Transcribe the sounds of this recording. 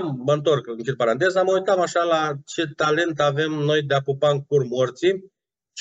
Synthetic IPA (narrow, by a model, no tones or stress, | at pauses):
mməɨnt̪o̞rkɨŋkid̪̚paɾant̪e̞zaməujt̪amaʃalat͡ʃe̞t̪ale̞nt̪ave̞mno̞jd̪eapupaɨŋkurmort̪si